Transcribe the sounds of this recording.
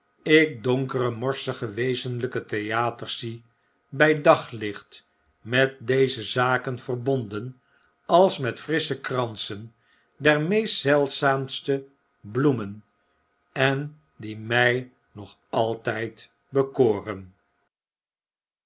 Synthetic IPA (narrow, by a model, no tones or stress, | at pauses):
ɪk̚dɔŋkərəmɔɹsəχəʋejzənləkətejaːtəɹsi | bɛjdɑχlɪχt | mɛt̚dejzəzaːkənv̥ərbɔndən | ɑlˠsmɛtfrɪsəkrɑnsən | dɛɹmejstsɛlˠtsaːmstə | blumən | ɛn | dimɛj | nɔχ | ɑlˠtɛjt | bəkoːrən